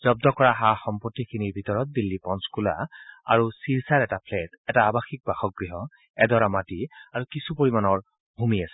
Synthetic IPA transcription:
z̥ɔb̚dɔkɔɹaɦaxɔmpɔtːikʰiniɹbʱitɔɹɔt̚bilːipɔnskula̰a̰ɹusiɹsaɹɛtapʰlɛtɛtaːbaxik̚baxɔk̚ɡɹiɦɔ | ɛdɔɹamatiaɹukisupoɹimanɔɹ | bʱumiasɛ̥

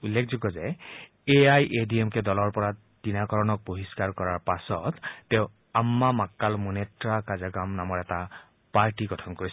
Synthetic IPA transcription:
ulːekʰzoɡɔzɛ | eajʔediɛmkɛdɔlɔɹpɔɹa | d̥inakɔɹɔnɔk̚boɦiskaɹkɔɹaɹpasɔ̰tːɛʊ̃ | amːamakːalmunetɹakazaɡamnamɔɹɛta | paɹtiɡɔtʰɔnkoɹis

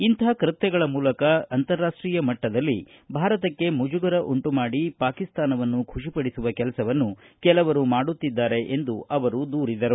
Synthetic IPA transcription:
int̪ɐɦɐkɾɨt̪jɛɡɐɭɐmuːlɐkɐɐnt̪ɐɾːaːʂʈɾiːjɐmɐʈːɐd̪ɐlːḭ | bʱaːɾɐt̪ɐkːe̞mud͡ʒuɡɐɾɐʔuɳʈumaːɽipaːkist̪aːnɐʋɐnːukʰuʂipɐɽisuʋɐkɛlɐsɐʋɐnːukɛlɐʋɐɾumaːɽut̪ːid̪ːaːɾe̞ʔend̪uʔɐʋɐɾud̪uːɾid̪ɐɾu

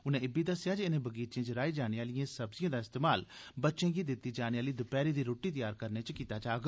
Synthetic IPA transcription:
ʊnẽɪbiːd̪əsːɪjaːd͡ʒeɪnẽːbəɡiːt͡ʃẽːt͡ʃɾaːiːd͡ʒaːneːaːlɪjãːsəbzɪjãːd̪aːɪst̪eːmaːlbətːʃẽːɡiːd̪ɪt̪ːiːd͡ʒaːneːaːliːd̪ʊpɛːɾiːd̪iːɾoːʈːiːt̪əjaːɾkəɾneːt͡ʃkiːt̪aːd͡ʒaːɡ

